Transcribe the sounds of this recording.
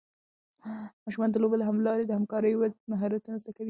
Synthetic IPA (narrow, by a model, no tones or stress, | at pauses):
mɑʃumɑnd̪əlobelaɦamlɑɾed̪əhamkɑɾəjowat̪maɦɑɾat̪unazd̪akawi